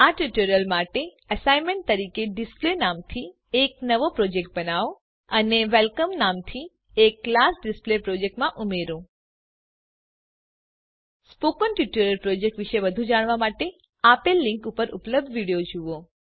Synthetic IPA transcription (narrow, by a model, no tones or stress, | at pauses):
aʈuʈuɾəlmaʈe | əsaimẽɳʈ̚t̪əɾikeɖɪsplenamt̪ʰi | eknəʋopɾod͡ʒek̚ʈ̚bənaʋo | əneʋelkəmnamt̪ʰi | ekːlasɖɪsplepɾod͡ʒek̚ʈmãʔumeɾõ | spokənʈiʈuɾəlpɾod͡ʒek̚ʈʋiʃeʋəd̪ʱũd͡ʒaɽ̃ʋamaʈe | apelːĩŋkupəɾʊ̰pləb̚d̪ʱʋiɽijod͡ʒuʋo